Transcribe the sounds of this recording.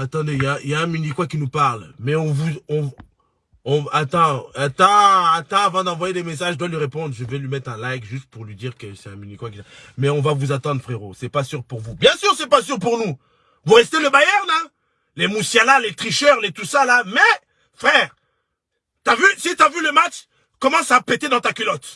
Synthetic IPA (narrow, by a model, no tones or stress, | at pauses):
at̪ɑ̃d̪ejaijaɛ̃mynikwakʲinupaʁlmɛɔ̃vuɔ̃ | ɔ̃at̪ɑ̃at̪ɑ̃at̪ɑ̃avɑ̃d̪ɑ̃vwajed̪emes̬aʒd̪walɥiʁepɔ̃d̪ʁʒəvɛlɥimɛt̪χɛ̃lajkʒyst̪̚puʁlɥid̪iʁkəsɛɛ̃mynikwak̬ʲinmɛɔ̃vavuzat̪ɑ̃d̪ʁfχeʁosɛpasyʁpuʁvubjɛ̃syʁsɛpasyʁpuʁnu | vuʁɛst̪eləbajɛʁnɛ̃ | lemusjalalet̪χiʃœʁlet̪usalamɛ | fχɛʁ | t̪yavysit̪yavyləmat͡ʃ | kɔmɑ̃sapet̪ed̪ɑ̃t̪akʲylɔt̪